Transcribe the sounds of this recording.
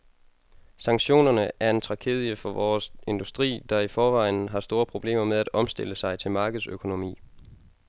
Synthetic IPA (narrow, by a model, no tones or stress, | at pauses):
sɑ̈ŋɕo̝̰ːnɐnəæɐe̝nt͡sʰʁɑ̈kʰe̝̰ːð̞ˠjəfɒ̽ʋɒːse̝nd̥usd̥ʁḭːd̥ɑ̈ifɒːʋɑ̈ɪn̩ɦɑ̈sd̥o̝ːɐpʰʁo̝b̥le̝̰ːmɐmeð̞ˠæd̥ɒ̽msd̥e̝l̰əsɑ̈ɪt͡sʰe̝lmɑ̈ːɡ̥əð̞̩ˠsøkʰo̝no̝mḭː